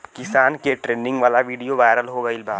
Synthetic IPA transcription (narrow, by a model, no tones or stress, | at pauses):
kɪsaːnkeʈɾeːnɪ̃ŋɡʋaːlaʋiːɖijoʋaːɪɾəlɦoɡɐɪlbaː